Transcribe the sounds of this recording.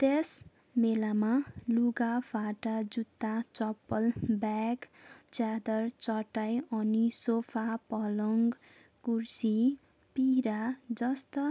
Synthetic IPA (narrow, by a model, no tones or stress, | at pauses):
t̪es | melamaluɡabʰʱaʈad͡zut̪ːat͡sʌpːʌlbakt͡sad̪ʌrt͡sʌʈajʌnisopʰapʌlʌŋɡ | kursi | piɾad͡zʌst̪ʌ